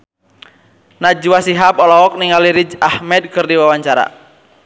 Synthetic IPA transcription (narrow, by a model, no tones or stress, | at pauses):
nad͡ʒuwasiɦapɔlɔɔk̚niŋaliɾid͡ʒahmɛd̪̚kɨrdiwawaɲt͡ʃaɾa̰